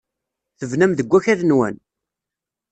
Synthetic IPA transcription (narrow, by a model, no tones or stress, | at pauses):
θəvnæmðəɡʷːæçæɾnwæ̰n